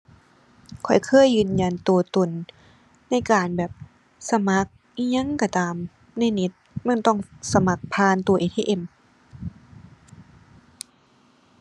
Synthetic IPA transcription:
kʰɔ˨˩jkʰɤː˧˥˨jːɯː˧˩nja˧˩nt̪u˨˧ɐt̪o˨˩nː | a˧˥˩jkaː˨˩nbɛː˨˩p̚ | sa˧ma˧˦˥k̚ | ʔi˧˥˨ɲa˧˥˨ŋka˧˩t̪aː˨m | na˧˥˩jne˧˦t̪̚ma˧˥˨nt̪ɔ˧˥˩ŋsa˧ma˧˦k̚pʰaː˧˥˨nt̪u˨˧ɐʔeː˧t̪ʰeː˧ʔe˧˩m

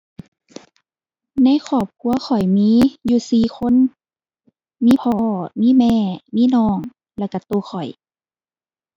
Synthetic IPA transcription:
na˧˥˨jxʰɔː˧˩p̚kʰu˧˦ɐxʰɔ˨˩jmiː˧˥˨juː˧siː˨˩xʰo˧˥˨n | miː˧˥˨pʰɔː˧˩miː˧˥˨mɛː˧˨miː˧˥˨nɔː˧˩ŋ | lɛ˧˩˨ka˧˩t̪oː˧xʰɔ˨˩j

